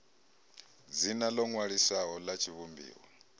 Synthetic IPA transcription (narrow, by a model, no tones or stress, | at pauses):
d͡zinalɔŋwaɺiswaɦɔlat͡ʃʰiβumbḭːwɔ